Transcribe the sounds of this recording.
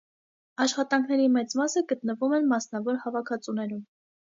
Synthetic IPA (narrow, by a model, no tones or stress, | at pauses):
ɑʃχɑt̪ɑŋkʰnɛɾimɛt͡smɑsəɡət̪nəvumɛnmɑsnɑvɔɾhɑvɑkʰɑt͡sunɛɾum